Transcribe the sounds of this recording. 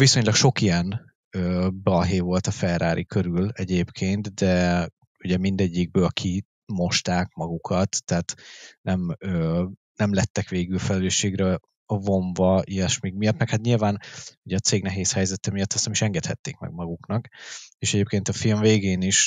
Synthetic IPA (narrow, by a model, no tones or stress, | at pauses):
viso̞ɲlɒkʃo̞kijɛn | øːbɒɦeːvo̞lt̪ɒfɛraːɾʔikøɾylɛɟeːpkʰeːnt̪d̪ɛ | uɟɛmind̪ɛɟːiɡ̚bøːlkʰi | mo̞ʃt̪aːkmɒɡukʰɒt̪ːɛɦːt̪nɛmøː | nɛmlɛt̪ːɛkʋeːɡylfɛlɛløːʃːeːɡrɛ | vo̞ɱvɒiɛʃmiɡmijɒt̪mɛkhat̪ɲilvaːnuɟɛɒt̪seːɡnɛɦeːshɛjzɛt̪ɛmijɒt̪ːɒsnɛmiʃɛŋɡɛt̪hɛ̰t̪ːeːkmɛ̰ɡ̚mɒɡuknɒkeːʃɛɟeːp̚keːnt̪ɒfilɱveːɡeːniʃ